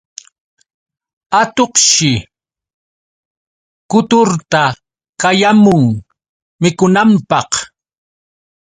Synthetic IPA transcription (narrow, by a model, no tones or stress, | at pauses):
at̪oqʃɪ | kʊt̪ʊɾt̪a | kajamʊŋ | mɪkʊnampɑq